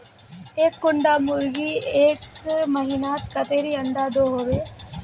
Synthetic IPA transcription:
eːkːʊɳɖaːmʊɾɡieːkmɐɦinaːt̪kɐt̪eːɾiɐɳɖaːd̪oːɦoːʋeː

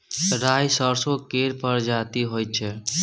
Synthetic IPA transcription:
ɾajsəɾsokeɾpəɾd͡ʒat̪iɦojt̚t͡ʃʰɛ

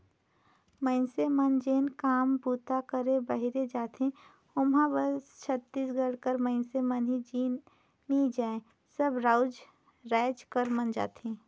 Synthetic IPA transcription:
məɪnsemənd͡ʒeːnkaːmbuːt̪akəɾebəɦiɾed͡ʒaːt̪ɦẽ | ʊmɦãbəsst͡ʃʰət̪ːiːsɡəɽkəɾməɪnsemənɦid͡ʒi | nid͡ʒaːẽ | səbɾaːʊd͡ʒ | ɾɛːd͡ʒkəɾmənd͡ʒa̰ːt̪ẽː

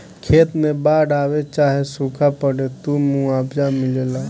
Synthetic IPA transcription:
kʰeːt̪nẽbaːɽaːʋet͡ʃaːɦesukʰapəɽet̪uːmũaːbd͡ʒamɪlela

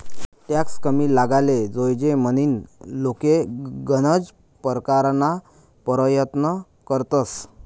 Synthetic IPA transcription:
ʈjakskəmiːlaɡaled͡zojd͡ʑeməniːnlokeɡənəd͡z | pəɾkaɾna | pəɾəjət̪nə | kəɾt̪əs

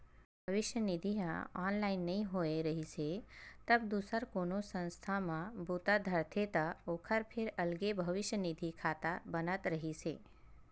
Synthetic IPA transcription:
bʱɐʋɪʃjənid̪ʱiɦãaːnlaːɪnːɐɦĩɦoːeɾəɦiset̪ɐbd̪uːsəɾkoːnosə̃nst̪ʰamãbʱuːt̪ad̪ʱɐɾt̪ʰet̪aoːkʰəɾpʰɪɾɐlɡebʱəʋɪʃjənid̪ʱikʰaːt̪abənət̪ɾəɦiseː

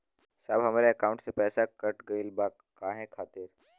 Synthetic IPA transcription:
sabɦəmaːɾjeɐkaũɳʈsepɛːsakəʈɡəilbakːaːɦẽkʰaːt̪iɾ

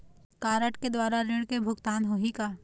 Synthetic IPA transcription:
kaːɾəʈked̪waːɾaɾɪɽ̃kebʱʊɡt̪aːnɦoɦikaː

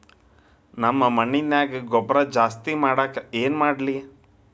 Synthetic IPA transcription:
nɐmːɐmɐɳːinjaːɡeɡɔbɾɐd͡ʒaːst̪imaːɽaːkɐeːnmaːɽli

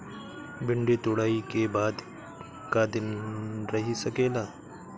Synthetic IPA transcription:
bɪ̃ɳɖet̪ʊɽaːikebaːd̪ | kad̪ɪnɾɐɦisɐkeːlaː

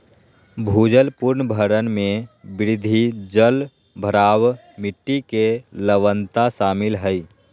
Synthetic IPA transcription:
bʱuːd͡ʒəlpʊɾnəbʱəɾənmẽbɪɾɪd̪ʱid͡ʒəl | bʱəɾaːw | mɪʈːikeləʋənt̪aʃaːmɪlɦəi

